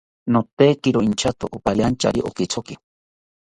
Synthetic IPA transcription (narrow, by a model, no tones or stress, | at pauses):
not̪ekiɾoint͡ʃʰat̪o̰ʔopaʎant͡ʃa̰ɾiʔokit͡sʰoki